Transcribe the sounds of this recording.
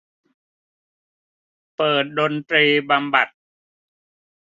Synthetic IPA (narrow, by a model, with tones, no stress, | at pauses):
pɤː˨˩t̪̚do˧nt̪ɾiː˧ba˧mba˨˩t̪̚